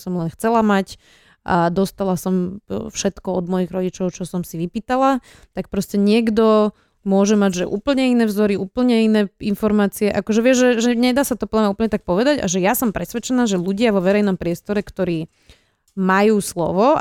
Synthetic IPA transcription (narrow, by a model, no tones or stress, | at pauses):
sɔmlɛnxt͡sɛlamac | ʔad̪ɔst̪alasɔmfʃɛt̪kɔɔd̪mɔjiɣɾɔɟit͡ʃɔʊt͡ʃɔsɔmsiʋipiːt̪ala | t̪ak̚pɾɔscɛɲɪɛɡd̪ɔ | mʊɔʒɛmaɟʒɛʔṵːpl̩ɲɛinɛːvzɔɾiuːpl̩ɲɛinɛːinfɔɾmaːt͡siɛʔakɔʒɛʋɪɛʒʒɛʒɛɲɛd̪aːsat̪ɔpɔlamɛuːpl̩ɲɛt̪ak̚pɔʋɛd̪aɟa̰ʒɛjasɔmpɾɛsʋɛt͡ʃɛnaːʒɛluɟɪaʋɔʋɛɾɛjnɔmpɾɪɛst̪ɔɾɛkt̪ɔɾiː | majuːslɔ̰ʋɔ